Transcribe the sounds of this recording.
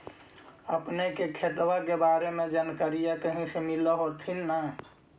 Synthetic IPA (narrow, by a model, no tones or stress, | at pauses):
əpnekekʰet̪wakebaːɾemẽd͡ʒənkəɾijak̪əɦĩsemiləɦot̪ʰinːə